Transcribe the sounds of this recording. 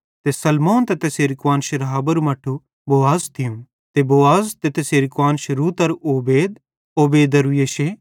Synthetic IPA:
t̪esɐlmoːnt̪et̪eseːɾɪkwaːnʃeɾɐɦaːbɐɾumɐʈʰːu | boːaːzt̪ʰɪjũm | t̪eboːaːzt̪et̪ɐseːɾɪkwaːnʃeɾuːt̪ɐɾʔoːbeːd̪̚ | oːbeːd̪ɐɾujeːʃe

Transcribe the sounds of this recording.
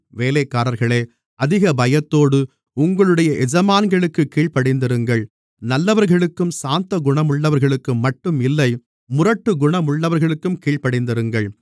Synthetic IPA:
ʋeːleːkːaːɾɐɾɣɐɭeː | ɐðɪɣɐbɐjɐt̪ːoːɽɯ | ʊŋɡɐɭɯɽɐjɐʔɛd͡ʒɐmaːnɡɐɭɯkːɯkːiːɭpɐɽɪnd̪ɐɾɯŋɡɐɭ | nɐlːɐʋɐɾɣɐɭɯkːɯmsaːnt̪ɐɡʊɳɐmʊɭːɐʋɐɾɣɐɭɯkːɯmːɐʈːɯmɪlːɐɪ | mʊrɐʈːɯɡʊɳɐmʊɭːɐʋɐɾɣɐɭɯkːɯmkiːɭpɐɽɐɪnd̪ɐɾɯŋɡɐɭ

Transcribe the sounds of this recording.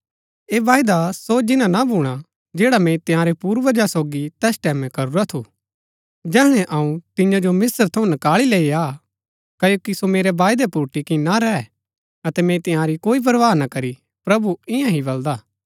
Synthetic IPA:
eːʋaːjd̪asod͡ʒɪnãnabʱuːɽ̃a | d͡ʒeːɽamɛ̃t̪ɪjãːɾepuːɾʋɐd͡ʒasoːɡit̪ɛːsʈɛːmɛ̃kɐɾuɾat̪ʰu | d͡ʒɛːɦɽ̃ɛʔɐũt̪ɪ̃jãd͡ʒomɪsəɾt̪ʰɐũnɐkaːɭileːiaː | kɐjoːkisomeːɾeʋaːjd̪ɛpuɾʈikinaɾɛɛ | ɐt̪ɛmɛ̃t̪ɪ̃jãːɾikoːip̬ɐɾʋaːnakɐɾi | pɾɐbuɪ̃jãɦibɐld̪aː

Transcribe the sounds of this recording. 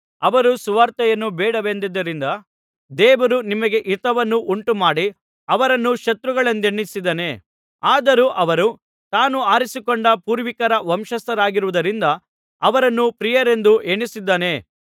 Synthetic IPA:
ɐʋɐɾusuʋaːɾt̪ɐjɐnːubɛːɽɐʋend̪id̪ːɐɾind̪ɐ | d̪ɛːʋɐɾunimɐɡeʔit̪ɐʋɐnːuʔuɳʈumaːɽi | ɐʋɐɾɐnːuʃɐt̪ɾuɡɐɭɐnd̪eɳːisid̪ɐne̞ | aːd̪ɐɾuːʔɐʋɐɾu | t̪aːnuaːɾisikoɳɖɐpuːɾʋikɐɾɐʋɐmʃɐst̪ɐɾaːɡiɾuʋud̪ɐɾind̪ɐ | ɐʋɐɾɐnːupɾijɐɾe̞nd̪uʔeɳisid̪ːɐne̞

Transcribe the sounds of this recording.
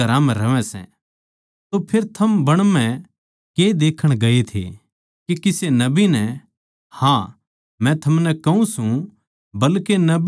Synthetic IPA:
ɐɾãmɛ̃ɾɐʋɛ̃sɛ̰̃ | t̪opʰeːɾt̪ʰɐmbɐɽ̃mɛ̃ | ked̪eːkʰəɽ̃ɡɐet̪ʰḛ | kikɪsenɐbinɛ | hãː | mɛ̃t̪ʰɐmnɛkɐũsũ | bɐlkenɐb

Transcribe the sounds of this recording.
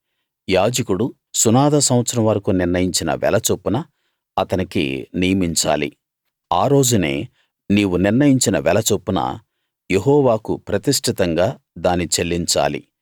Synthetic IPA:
jaːd͡ʒɐkuɽu | sunaːd̪ɐsɐw̃ʋɐt̪sɐɾɐmʋɐɾɐkuniɾnɐjiɲt͡ʃinɐ̰ʋɛ̰lɐt͡ʃopːunɐ | ɐt̪ɐnikḭnijɐmiɲt͡ʃa̰ːlḭ | aːɾo̞ːd͡ʒune̞̰ː | niːwuniɾnɐjiɲt͡ʃinɐʋɛlɐt͡ʃopːunɐ̰ | jeɦɔːʋaːkupɾɐt̪isʈʰit̪ɐŋɡaː | d̪aːnːit͡ʃelːiɲt͡ʃa̰ːlḭ

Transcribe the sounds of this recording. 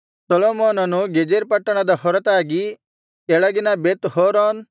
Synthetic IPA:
sɔloːmoːnɐnuɡed͡ʒeɾpɐʈːɐɽ̃ad̪ahɔɾɐt̪aːɡi | kɛɭɐɡɪnabeːt̪hoːɾoːn

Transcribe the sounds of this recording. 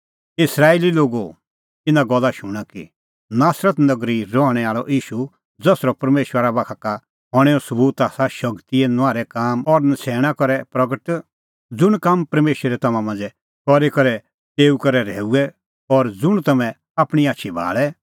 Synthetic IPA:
ɪsɾaːeːliloːɡo | ɪ̃nãɡɔlːaʃʊɽ̃akḭ | naːsɾət̪nɐɡɾiɾɔɦɽ̃ɛaːɭɔʔiːʃu | d͡zɐsɾɔpɐɾmeːʃwəɾabaːkʰaka | ɦɔɽ̃ɛɔsɐbuːt̪aːsaʃɐkt̪iɛnaːɾɛkaːmɔɾnɐsɛːɽ̃akɔɾɛpɾɐɡəʈ | d͡zʊɽ̃kampɐɾmeːʃəɾɛt̪ɐmãmɐ̃nd͡zɛ | kɔɾekɔɾɛ | t̪eːukɔɾɛɾɛ̰ːuɛ | ɔɾd͡zʊɽ̃t̪ɐmɛ̃ | aːpɽ̃iaːtːʃʰibʱa̰ːɭɛ

